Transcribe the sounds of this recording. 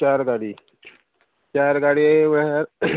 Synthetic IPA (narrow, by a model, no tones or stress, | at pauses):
t͡ɕaɾɡaɽi | t͡ɕaɾɡaɽiʋɾ